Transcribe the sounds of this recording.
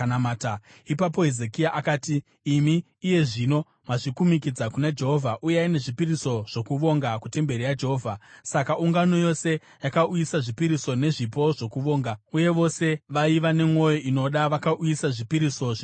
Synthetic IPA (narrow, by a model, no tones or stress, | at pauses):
namaːta | ipap̬o̞ɦezekijaʔakaːtiː | miː | je̞ʐino̞ | maʐikumikid͡zakunad͡ʒe̞ɦo̞vʱaʔujeaine̞ʐipiriso̞ʐ̥o̞kuʋo̞ŋɡakute̞mbe̞rijad͡ʒe̞ɦovʱasakauŋɡano̞jo̞se̞ | jakaujisaʐipiɾiso̞ne̞ʐipo̞ʐo̞kuʋo̞ːŋɡauje̞ʋo̞se̞ʋaiʋane̞mŋo̞jo̞ʔino̞ɗaʋakaʔujisaʐipiɾiso̞